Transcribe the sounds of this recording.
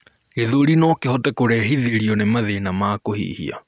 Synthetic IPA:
eðoɾinɔkehɔtɛkoɾɛɦiðeɾiɔnemaðenamaːkohḭːhḭa̰

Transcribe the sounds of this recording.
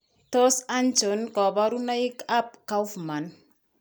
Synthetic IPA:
tosant͡ʃonkɔbaɾunaikap̚kawfman

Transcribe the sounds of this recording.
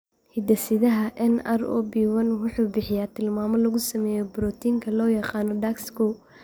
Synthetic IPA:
hɪd̪ɐsɪðɐɦɐʔɛnɐ̰rɔ̰biːwɐnwʊħuːbɪħɪjaːt̪ʰɪlmaːmɔlɐɣʊsɐmɛːjɔbɾɔːt̪ʰiːŋkʰɐlɔːjɑqɑːnɔɖakskɔ

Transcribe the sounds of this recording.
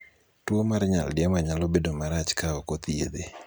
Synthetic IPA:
twomarɲa̰ldɪamaɲalobedomaɾat͡ʃkaɔkot̪ied̪e

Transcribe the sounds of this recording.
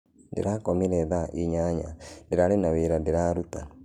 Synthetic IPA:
ndḛɾakɔmeɾɛðaʔiɲaɲa̰ndeɾaɾenaweɾandeɾaɾuta

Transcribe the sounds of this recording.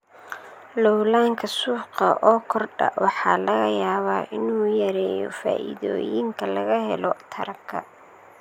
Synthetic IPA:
lɔwlaːŋkʰɐsʊːqɐʔɔːkʰɔrɖɐ̰wʔɑħɑːlɐɣɐjaːβaːʔɪnuːjɐɾɛːjɔ̰fa̰ːʔɪ̰ðɔ̰ːjɪŋkʰɐlɐɣɐɦɛ̰lɔt̪ʰɐɾɐbkʰːɐ

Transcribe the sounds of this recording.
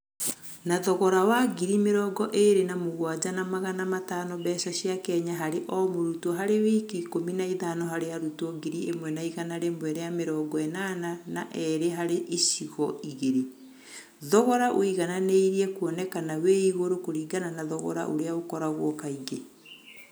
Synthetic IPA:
naðɔɣɔɾawaɡiɾimeɾɔɡɔʔeɾenamoɣwad͡ʑanamaɣanamataːnɔβɛsaʃjakɛɲaɦaɾeʔɔmoɾutɔɦaɾeweikikominaiðanɔɦaɾeaɾutɔɡiɾiemwɛnaiɣanaɾemwɛɾeameɾɔːɡɔɛnananaʔɛɾeɦaɾeʔisiɣɔiɣeɾe | ðɔɣɔɾaʔoiɣananeiɾiɛkuɔnɛkanaweiɣoɾokoɾiːɡananaðɔɣɔ̰ɾa̰ʔo̰ɾeaokɔɾaɣwɔkaiɡe

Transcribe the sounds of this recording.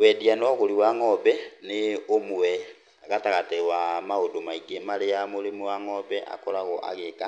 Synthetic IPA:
wɛdianwɔɣoɾiwaŋɔbɛneomuwɛ | aɣataɣatewamaodomaiɡemaɾejamoɾemuwaŋɔbɛʔa̰kɔɾaɣɔʔa̰ɣeka

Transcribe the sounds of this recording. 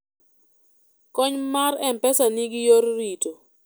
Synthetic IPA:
kɔɲmaɾɛmpɛsaniɡɪjoɾɾito

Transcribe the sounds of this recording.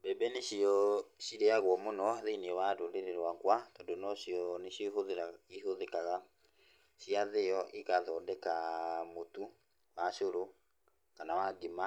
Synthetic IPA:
bɛbɛneʃiɔʃiɾeaɣwɔmonɔðeinewadoɾeɾeɾwakwatɔndonɔʃiɔneʃoɦoðaihoðɛkaɣa | ʃiaðejɔʔikaðɔdɛkamotu | waʃoɾo | kanawaɡima

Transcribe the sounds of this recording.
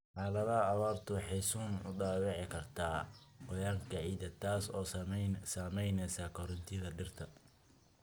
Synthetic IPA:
ħɑːlɐðɐːwaːrt̪ʰʊwɑħɑjsuːnʊ̰ɖɑːwɑʕɪkʰɐrt̪ʰaːwɔjaːŋkʰɐʕiːd̪ɐt̪ʰaːsɔːssaːmɛjnɛsaːkʰɔɾɔnt̪ʰɪðɐɖɪrt̪ʰɐ

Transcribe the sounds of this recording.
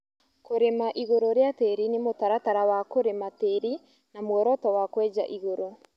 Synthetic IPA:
koɾemaʔiɣoɾoɾjateɾinemotaɾataɾawakoɾemateɾi | namwɔɾɔtɔwakwɛːd͡ʒa̰ʔiɣoɾo

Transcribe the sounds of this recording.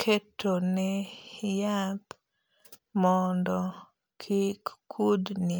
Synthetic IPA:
kʰetʰonɛjat | mɔndɔ | kʰikkʰudni

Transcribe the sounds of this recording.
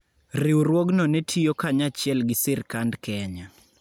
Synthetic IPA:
rɪwɾwoɡnɔnetʰijokaɲat͡ʃɪɛlɡɪsɪrkandkɛɲa

